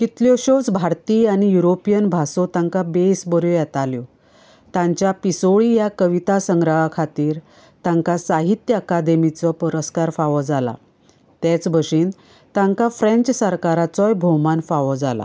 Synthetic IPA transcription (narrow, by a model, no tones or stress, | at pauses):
kit̪ljoɕot͡sbʱaɾt̪iːañijuɾopijənbʱasot̪ãŋkabesbɔɾjojɛt̪aljo | t̪ãɲt͡ɕjapisoɭijakəʋit̪asəŋɡɾaɦakʰat̪iːɾ | t̪ãŋkasaɦit̪jəːkad̪emit͡sɔpəɾəskaɾfaʋɔd͡zala̰ | t̪ɛt͡sbəʂiːn | t̪ãŋkafɾẽɲt͡ɕsəɾkaɾat͡sɔjbʱomanfaʋɔd͡zala̰